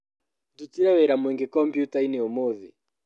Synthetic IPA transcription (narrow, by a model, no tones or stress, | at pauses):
dutiɾaβeɾamweŋɡekɔmpjutaineomoðḭ